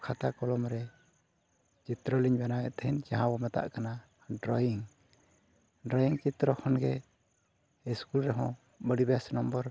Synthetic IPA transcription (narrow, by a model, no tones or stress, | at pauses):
kʰat̪akɔlɔmɾɛ | t͡ʃit̪ɾɔliɲbanawɛʔt̪ɛhɛnd͡ʒaɦãbɔmɛt̪a̰ʔkana | ɖɾɔjiŋ | ɖɾɔjiŋt͡ʃit̪ɾɔkʰɔnɡɛ | iskulɾɛɦɔ̃ | bəɽibasnɔmbɔɾ